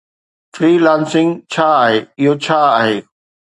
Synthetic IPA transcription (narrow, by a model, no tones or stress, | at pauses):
fɾiːlãːnsɪ̃ŋɡt͡ɕʰaːaːɦeːɪɦot͡ɕʰaːaːɦeː